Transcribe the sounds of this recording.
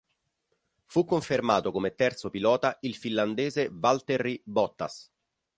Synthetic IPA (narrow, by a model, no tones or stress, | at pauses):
fukːoɱfermaːt̪okomet̪ːɛrt̪sopilɔːt̪ailfinland̪eːzevalt̪erːibɔt̪ːa̰s